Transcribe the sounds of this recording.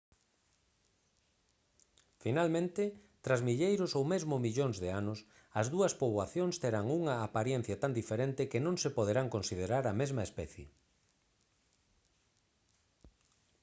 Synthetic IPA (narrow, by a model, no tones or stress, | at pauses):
finalmẽnt̪ɪ | t̪ɾazmiʎejɾʊsowmezmʊmiʎoŋzðeanʊs | ɐzðuɐspoβwaθjõŋst̪eɾaŋuŋɐːpaɾjɛn̟θjɐt̪and̪ifeɾent̪ɪkɪnõŋsepoð̞eɾaŋkonsið̞eɾaɾɐmezmɐespɛθjḛ